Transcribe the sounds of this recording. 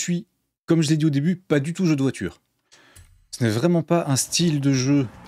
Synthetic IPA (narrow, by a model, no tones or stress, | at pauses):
sɥi | kɔmʒəled̪iod̪ebypad̪yt̪uʒød̪əvwat̪ʰy̰ːʁ | sənɛvʁɛmɑ̃paʔɛ̃st̪ild̪əʒø